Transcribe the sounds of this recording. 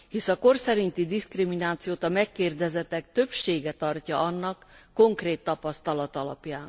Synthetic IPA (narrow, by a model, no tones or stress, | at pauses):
hisɒko̞rsɛɾint̪id̪iskriminaːt̪sijoːt̪ɒmɛkːeːrd̪ɛzɛt̪ɛk̚t̪ø̞pʃeːɡɛt̪ɒrcɒʔɒnːɒkːo̞ŋkreːt̪ːɒpɒst̪ɒlɒt̪ɒlɒpjaːn